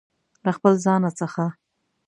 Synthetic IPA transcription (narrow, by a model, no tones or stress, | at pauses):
laxpəlzɑnat͡səxa